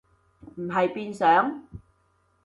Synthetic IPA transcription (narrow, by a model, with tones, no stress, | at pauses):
m̩˨˩ɦɐ˨jpiː˧nsœː˨˥ŋ